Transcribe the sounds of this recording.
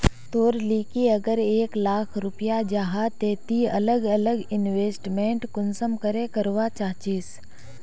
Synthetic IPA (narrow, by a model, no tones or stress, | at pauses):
t̪oːɾliːkiɐɡəɾeːklaːkʰɾʊpijad͡ʒaːɦat̪eːt̪iɐ̰ləɡɐləɡɪnʋeːsʈmẽːɳʈkʊnsəmkəɾẽkəɾʋat͡ʃaːt͡ʃiːs